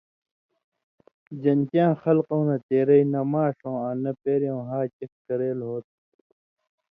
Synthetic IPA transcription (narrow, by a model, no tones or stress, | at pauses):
d͡ʑɐnkjãːxɐlqõwnɐt̪eːɾɐinɐmaːʂõːãnɐpeːɾjõːɦaːt͡ɕekkɐɾeːlɦoːt̪̚